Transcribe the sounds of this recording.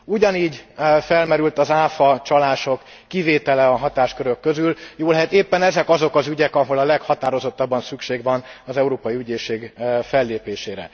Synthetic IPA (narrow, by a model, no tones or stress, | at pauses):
uɟɒniːɟfɛlmɛɾylt̪ɒzaːfɒt͡ʃɒlaːʃokːiveːt̪ɛlɛɒɦɒt̪aːʃkøɾøkːø̞zyljoːlɛɦɛt̪eːpːɛnɛzɛkɒzo̞kɒzyɟɛkɒɦo̞lɒlɛkhɒt̪aːɾo̞zo̞t̪ːɒbːɒnsykʃeːɡvɒnɒzɛuɾoːpɒjiyɟeːʃeːɡfɛlːeːpeːʃeːɾɛ̰